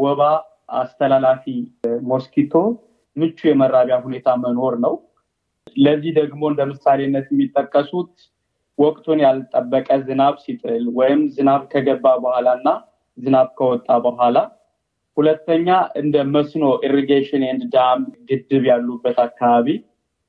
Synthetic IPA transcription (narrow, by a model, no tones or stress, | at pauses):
wɔβa | ʔa̰st̪ʰəlalafimo̞skit̪ʰo̞ | mɨt͡ʃːujɛməɾːaβjahune̞t̪ʰaməno̞ɾnəw | ləzːihd̪əɡmo̞ɨnd̪əmɨsːaleɨnːət̪jɛmːit̪ʼːəkʼːəsut̪ | wɔkʼt̪ʰunjalt̪ʼːəbːəkʼəzɨnaβsit̪ʼɨlwɔjɪmzɨnaβkʰəɡəbːabəhʷalaɨnːa | zɨnaβkʰəwɔt̪ʼːabəɦʷala | hulət̪ːəɲːaʔɨnd̪əməsno̞ʔiɾeɡeʃɪnend̪ɨd̪amɡɨd̪ːɨβjalːubːət̪akʰːaβaβi